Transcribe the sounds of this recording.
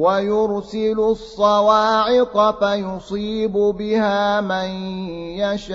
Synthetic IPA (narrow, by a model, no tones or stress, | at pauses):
wajʊɾsɪlʊsˤːɑwaːʕɪqɑfajʊsˤiːbʊbɪhaːmanjaʃ